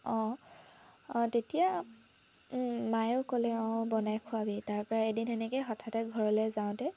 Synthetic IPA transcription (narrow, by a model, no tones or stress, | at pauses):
ɔ̃ | tetija | majʊkɔlɛɔ̃bɔnajkʰʊabitaɹpɔɹaedintɛnɛkejxɔtʰatɛɡʱɔɹɔlɛjzaʊ̃tɛ